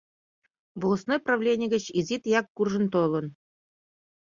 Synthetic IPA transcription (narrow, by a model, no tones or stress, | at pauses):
vŏlˠŏsnojprɑʋlʲenʲɪjɡʲɘ̆t͡ɕizʲit̪jɑkːurʐɤ̆nt̪olˠɤ̆n